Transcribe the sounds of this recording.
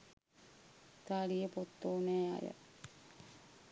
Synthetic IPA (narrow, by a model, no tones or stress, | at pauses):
t̪aːlijəpot̪ːoːneːa̰jə̰